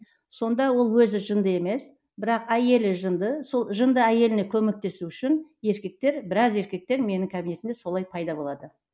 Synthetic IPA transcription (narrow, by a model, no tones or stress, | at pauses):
so̞nd̪ɑwo̞lˠwɵzɪʒənd̪əe̞me̞s | bɪɾɑqæje̞lɪʒənd̪əso̞lˠʒənd̪əæje̞lɪne̞kʲʰɵme̞k̚t̪e̞suʏʃɪnje̞ɾkʲe̞k̚t̪e̞ɾbɪɾɑze̞ɾkʲe̞k̚t̪e̞ɾme̞nɪŋkʰabine̞t̪ɪnd̪e̞so̞lˠɑjpʰɑjd̪ɑbo̞lˠɑd̪ə